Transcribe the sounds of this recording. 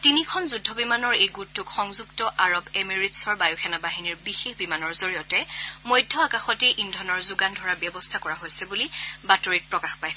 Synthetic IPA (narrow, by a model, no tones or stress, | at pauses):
tinikʰɔnzudʱɔbimanɔɹejɡutːʊkxɔŋzuktɔʔaɹɔbemiɹitsɔɹbajuxʰɛnabaɦiniɹbixexbimanɔɹzoɹijɔtɛmojdʱːɔakaxɔteʔindʱɔnɔɹzʊɡandʱɔɹabjɔbɔstʰakɔɹaɦojsɛbulibatoɹit̚pɹɔkaxpajsɛ